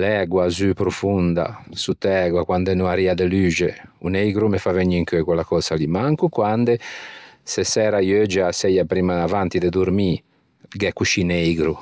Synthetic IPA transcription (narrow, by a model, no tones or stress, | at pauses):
lɛɡwazypɾufund̪a̰sut̪ːɛɡwakwand̪ɛnuaɾiad̪elyːd͡ʒeṵnejɡɾumefaveɲːiŋkøɛkwɛlakɔsalimaŋkukwand̪e | sɛsɛːɾajɔɛd͡ʒasɛjapɾiːmaːvant̪id̪ɛd̪uɾmi | ɡɛkːuʃinejɡɾu